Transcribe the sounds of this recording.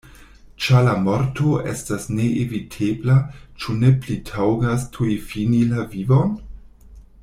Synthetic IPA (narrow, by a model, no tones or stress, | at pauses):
t͡ʃalamoɾto̞ʔe̞̰stasne̞ʔevitʰeblat͡ʃune̞plitʰawɡastʰuefinilavivo̞n